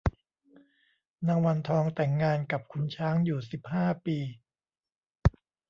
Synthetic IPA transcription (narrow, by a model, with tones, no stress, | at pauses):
na˧ŋwa˧nt̪ʰɔː˧ŋt̪ɛ˨˩ŋːaː˧nka˨˩p̚kʰu˧nt͡ɕʰaː˦˥ŋjuː˨˩si˨˩p̚haː˥˩piː˧